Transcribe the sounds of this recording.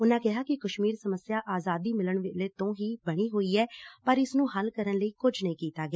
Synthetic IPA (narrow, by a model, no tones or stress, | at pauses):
ʊnãːkɪɦaːkɪkəʃmiːɾsəməsjaːʔaːzaːd̪iːmɪləɳʋɪleːt̪õːɦiːbəɽ̃iːɦoːiːɛːpəɾɪsnũːɦəlkəɾənləiːkʊd͡ʒʱnəĩːkiːt̪aːɡɪaː